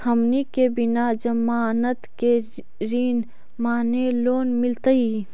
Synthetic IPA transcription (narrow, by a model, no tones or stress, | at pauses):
hɐmnikebinad͡ʒɐmaːnət̪ke | ɾiːn | maːneloːnmɪlt̪əi